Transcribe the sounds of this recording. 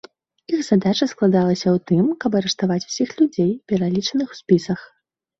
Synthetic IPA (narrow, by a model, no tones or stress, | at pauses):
ixz̥ad̪at͡ʂɐsklˠad̪alˠɐsʲɐwt̪ɨmkɐbɐɾɛʂt̪avat͡sʲw̥sʲixlʲud͡zʲejpʲɛɾalʲit͡ʂɐnɨxw̥sʲpʲisɐx